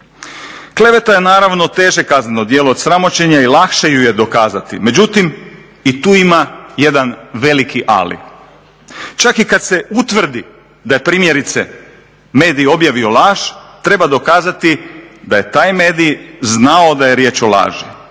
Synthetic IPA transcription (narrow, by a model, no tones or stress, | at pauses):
kle̞ʋe̞t̪aje̞naːɾaʋno̞t̪e̞ːʒe̞kaznenod̪jeːlood̪sɾamo̞t͡ɕe̞ɲailˠakʃejuje̞d̪o̞kaːzat̪ḭme̞d͡ʑut̪im | it̪uːimaje̞d̪anʋe̞likʰiʔa̰lḭ | t͡ʃakikad̪se̞ut̪ʋr̩d̪i | d̪aje̞pɾiːmje̞ɾit̪se | me̞ːd̪ijo̞bjaʋio̞lˠaːʒ̥t̪ɾe̞bad̪o̞kaːzat̪id̪aje̞t̪aːjme̞ːd̪ijznao̞d̪aje̞ɾje̞ːt͡ʃola̰ːʒi